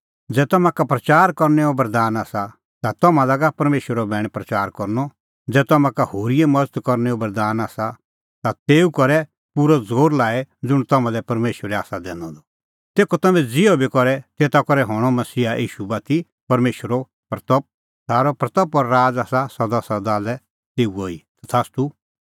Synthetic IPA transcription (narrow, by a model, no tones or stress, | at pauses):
d͡zɛːt̪ɔmãkapɾɐt͡ʃaːɾkɔɾnɛɔbɐɾd̪aːnaːsa | t̪at̪ɔmãlaɡapɐɾmeːʃwəɾɔbɛːɽ̃ɛ̃pɾɐt͡ʃaːɾkɔɾnɔ | d͡zɛːt̪ɔmãkahoːɾiɛmɐd͡zət̪kɔɾnɛɔbɐɾd̪aːnaːsa | t̪at̪eːukɔɾɛ | puɾɔd͡zoːɾlaːɛd͡zʊɽ̃t̪ɐmãlɛpɐɾmeːʃʋəɾɛaːsad̪ɛːnɔd̪ɔ | t̪eːkɔt̪ɐmɛ̃d͡zɪɔbikɔɾɛt̪eːt̪akɔɾɛɦɔ̃ːɔmɐsiːaʔḭːʃubat̪i | pɐɾmeːʃwəɾɔ | pɾɐt̪əp̚ | saːɾɔpɾɐt̪əpɔɾːaːd͡zaːsasɐd̪asɐd̪aːlɛ | t̪eːuoit̪at̪ʰaːst̪u